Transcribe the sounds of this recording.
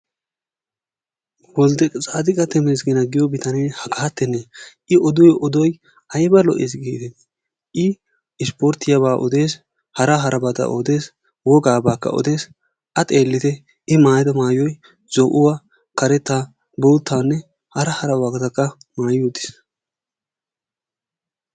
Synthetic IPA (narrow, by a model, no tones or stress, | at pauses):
wɔld̪ɛkʼt͡sʼaːd̪ɪkʼɐt̪ɛmes̬ɡɪnɐɡɪjɔbɪt̪ɐnehɐɡɐɐt̪ːɛnːɛ | ɪɔd̪ʊjʔɔd̪ɔj | ɐjbɐlɔ̰ʔes̬ɡiːt̪ɛ | ʔɪ | ɪspoɾt̪ɪjɐbaːʔɔd̪e̞ːs | hɐɾɐɦɐɾʔɐbɐt̪ɐ̰ʔod̪e̞ːs | wɔɡaːbaːkːɐ̰ʔɔ̰d̪e̞ːs | ʔɐt̪ʼeːlːɪt̪ɛ | ɪmaːjd̪ɐmaːjɔj | z̥ɔʔʊwa | kɐɾɛt̪ːaː | boːt̪ːaːnːɛ | hɐɾɐhɐɾɐwaɡɐt̪ɐkːɐmaːjʊːd̪ɪ̥s